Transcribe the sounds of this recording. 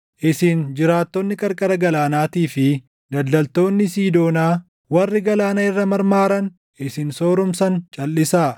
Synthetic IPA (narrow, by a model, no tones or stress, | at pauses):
ʔɪsɪnd͡ʒɪɾaːt̪ːɔnːɪkʼɐɾkʼɐɾɐɡɐlaːnaːt̪iːfɪ | d̪ɐlːɐlt̪o̞ːnːɪsiːd̪o̞ːnaː | wɐrːɪɡɐlaːnɐɪrːɐmɐɾmaːɾɐn | ʔɪsɪnso̞ːɾʊmsɐnt͡ʃʼɐlːɪsaː